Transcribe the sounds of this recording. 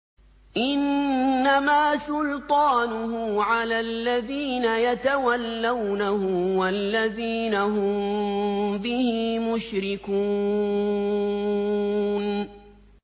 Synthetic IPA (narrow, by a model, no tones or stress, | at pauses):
ʔɪnːamaːsʊlt̪ˤɑːnʊhʊʕalaːlːaðiːnajat̪awalːawnahʊwalːaðiːnaɦʊm | bɪhɪmʊʃɾɪkuː | n